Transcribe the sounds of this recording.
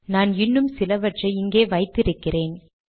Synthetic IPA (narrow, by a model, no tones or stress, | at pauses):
naːnɪnːɯmsɪlɐʋɐʈrɐɪɪŋɡeːʋɐɪt̪ːɪɾɯkːɪreːn